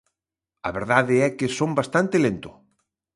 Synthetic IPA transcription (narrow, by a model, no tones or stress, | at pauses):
ɐ̰βeɾðaðɪɛkɪsombast̪ant̪ɪlent̪ʊ